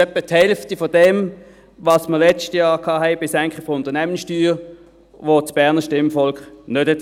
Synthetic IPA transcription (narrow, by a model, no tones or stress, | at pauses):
ɛpːəthɛlftifɔdɛm | ʋɑsməʁlɛt͡stjɑːʁkʰɑːɦɛɪbɪsæŋkχəfɔʊntənæmənsʃtyːʁ | ʋot͡sb̥ɛɐnəʃtɪmfɔlkχnøthɛt